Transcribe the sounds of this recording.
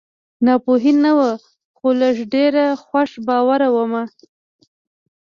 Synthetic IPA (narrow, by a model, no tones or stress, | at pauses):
nɑpoɦinːawə | xolaʐɖeɾaxwaʂbɑwaɾawəma